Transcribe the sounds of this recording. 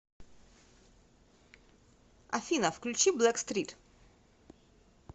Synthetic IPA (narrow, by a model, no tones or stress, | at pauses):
a̰finafklut͡ʃiblɛkst̪ɾit̪